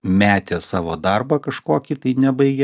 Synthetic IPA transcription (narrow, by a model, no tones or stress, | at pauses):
mʲæːt̪ʲeːsɑːʋoːd̪ɐrbɐkɐʃkoːkʲit̪ɐɪnʲɛbɐɪɡʲɛ